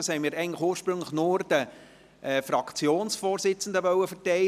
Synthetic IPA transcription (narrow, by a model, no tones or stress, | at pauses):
ɑshɛɪmiːɾɛɪɡn̩tləxuːəʃpɾɵŋlɪxnʊɾd̥̪ə | ʔfɾɑkʰt͡sjoːnsfoːɾsɪt͡sn̩d̪əʋœwəfəɾtɛɪ